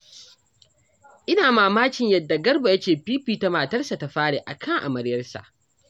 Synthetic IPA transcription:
ʔɪ˦naː˨maː˨maː˦kʲɪ˨ɲjɐ˨dːa˨ɡɐ˦rba˨jɐ˦t͡ʃeː˨piː˦ɸiː˨ta˨maː˨tɐ˦rsa˨ta˨ɸaː˦ɽe˨ʔa̰˨kʰɐ˦ŋʔa̰˨mɐ˨ɾjɐ˦rsa̰˨ʔ

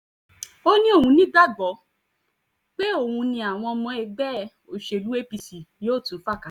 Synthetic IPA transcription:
o˦nĩ˦o˦˨hũ˧nĩ˨˦da˦ɡ͡bɔ˨˦ | k͡pe˦o˦˨hũ˧nĩ˧a˨w̃ɔ̃˧ɔ˧mɔ̃˧ɛ˧ɡ͡bɛ˦˨ | o˨ʃe˧˨lu˦e˦pi˧si˨˦o˦˨tũ˨˦fa˦˨kã˨

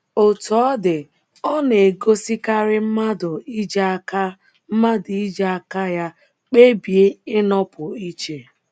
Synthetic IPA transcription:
o˨tu˨ɔ˦dɪ˨ | ɔ˦ne˨ɡo˦si˦ka˦ɾɪ˦m̩˦ma˦dʊ˨i˦d͡ʒka˦ | m̩˦ma˦dʊ˨i˦d͡ʒa˦ka˦ja˦ | k͡pe˦bi˨e˦ɪ˦nɔ˦pʊ˨i˦t͡ʃe˨

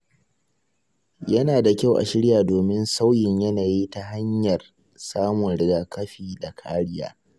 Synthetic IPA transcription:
jɐ˦naː˨da˨kʲa˦wʔa̰˨ʃɪ˦ɽjaː˨doː˨mɪ˦nsa˦wjɪ˨ɲjɐ˦naː˨jiː˦ta˨ha˦ɲjɐ˨r | saː˦mʊ˨nɽɪ˦ɡaː˦kɐ˦ɸiː˦˨da˨kʰaː˦ɽɪ˦ja̰ː˦

